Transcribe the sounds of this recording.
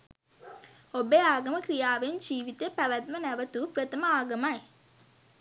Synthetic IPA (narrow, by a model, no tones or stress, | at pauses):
obeaːɡɐməkɾijaːʋend͡ʒiːʋit̪epæʋæt̪̚mənæʋət̪upɾɐt̪ɐməaːɡɐmaj